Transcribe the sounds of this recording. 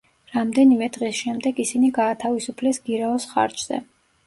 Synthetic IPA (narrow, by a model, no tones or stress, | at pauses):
ɾamd̪ɛnimɛd̪ʁɛsʃɛmd̪ɛɡisiniɡaːt̪ʰavisupʰlɛsɡ̥iɾaɔsχa̰ɾt͡ʃz̥ɛ̰